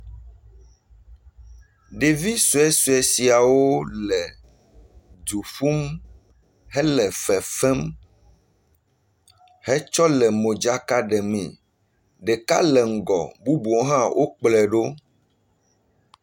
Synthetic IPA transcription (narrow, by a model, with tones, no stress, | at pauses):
ɖe˨vi˦su˨ɛ˦su˨ɛ˨si˨a˨wo˦lɛ˨ | d̪u˨fu˦m | ɦɛ˦lɛ˨fɛ˨fɛ˦m | hɛ˦t͡ʃɔ˦lɛ˨mõ˨d͡ʒa˦ka˦ɖɛ˨mɛ̰̃˨ | ɖɛ˨ka̰˦lɛ˨ŋ̩˨ɡɔ̰˨bu˦bu˨ɔ̃˦ɦã˦wʔo˦k͡plɛ˨ɖo˦